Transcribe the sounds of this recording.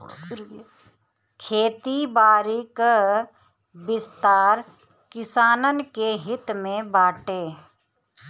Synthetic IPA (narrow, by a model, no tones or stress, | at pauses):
kʰeːt̪ibaːɾik | bɪst̪aːɾ | kɪsaːnənkeɦɪt̪mẽbaːʈeː